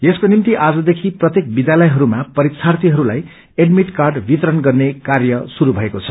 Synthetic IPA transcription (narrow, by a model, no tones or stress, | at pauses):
eskonimt̪iʔad͡zʌd̪ekʰiprʌt̪jek̚bid̪jalʌjɦʌɾumapʌɾik̚sʰart̪iɦʌɾulaj | eɖmiʈkarɖbit̪ʌɾʌnɡʌrnekarjʌsuɾubʱʌekot͡sʰʌ̥